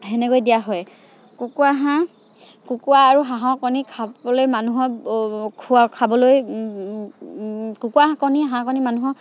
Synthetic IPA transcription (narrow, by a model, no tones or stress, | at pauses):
ɦɛnɛkojdijaɦɔj | kukuaɦã | kukuaːɹuɦaɦɔ̃kɔnikʰabɔlojmanuɦɔkʰuakʰabɔloj | kukuaɦãkɔniaɦãkɔnimanuɦɔ